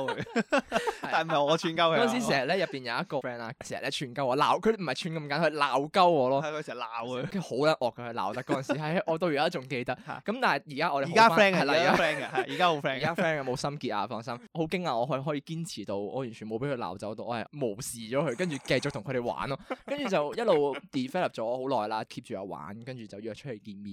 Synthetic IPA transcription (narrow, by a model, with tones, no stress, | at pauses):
j̪aː˨˩m̩˨˩ɐ˨˩ɔː˨˧t͡ʃʰyː˧nkɐ˥wɔ˥˨ns̬i˨˦˥siː˨˩hɐ˨˩t̚lɛː˥jɐ˨˩pːiː˨njɐ˨˧wjɐ˥t̚kɔː˧fɛː˥naː˧siː˨˩ɐ˨tlɛː˦˥t͡ʃʰyː˧nkɐ˥wɔː˨˧laː˨˩wkʰɵ˨˧dm̩˨˩ɐ˨˩jt͡ʃʰyː˧nkɐ˧mka˨˥nhlaː˨˩wkɐ˥wɔː˨˧lɔː˥˨ksɛ˨ɐ˨˩laː˨wkʰho˨˥wlɐ˨˥nʔɔː˨˩kʰːɛ˧hɵ˧la̰ː˨˩wt̪ɐ˥kɔː˨˦˥ɐ˨nsi˨˥hɐ˨˩jʔɔː˨˧t̪o˧wjiː˨˩aː˦˥t͡ʃʊ˨ŋke˧jt̪ɐ˥kːkːɐ˨˦mt̪aː˨˩nɐ˨jjiː˨˩kaː˥ʔɔː˧de˨aː˦˥aɛː˥ŋhɐ˨˩laː˧˨kaː˦˥ɛː˥ŋ˧jiː˨kaː˥ho˨˧˦wfɛːi˨kaː˥fɛː˥na˧mo˨˧wsɐ˥mkiː˧t̚ʔa̰ː˧fɔː˧ŋsɐ˥mho˨˥wkɪ˥ŋaː˧ɔː˨˧ɦɔ˧˥ɦɔː˨˥jiː˧kiː˥nt͡sʰiː˨˩t̪o˧wɔː˨˧jy˨˩nt͡ʃʰy˨˩mo˨˧wpe˨˥jkʰɵ˧la̰ː˨˩wt͡sɐ˨˥wt̪o˧wʔɔː˧hɐ˨˩jmo˨˩wsiː˨t͡ʃɔː˨˥kʰɵ˧ɥkɐ˥nt͡ʃyː˨˩kɐ˧jt͡sʊ˨k̚t̪ʰʊ˨˩ŋʰɵ˧ɾe˨˩jwa̰ː˨˥nɔː˥kɐ˥nt͡ʃyː˨˩t͡sɐ˨wjɐ˥t̚lo˨wt̪iː˨fɛː˥lɐ˨˩p̚t͡ʃɔː˨˥ɔ˨˧ho˨˥wlɔː˨˩jlaː˥kʰiː˧p̚t͡ʃyː˨˩ɐ̰ː˨˧wa̰ː˨˥nkɐ˥nt͡ʃyː˨˩t͡sɐ˨wjyː˧˨t͡ʃʰɵ˥t̚he˨˩jkiː˧nmiː˨˩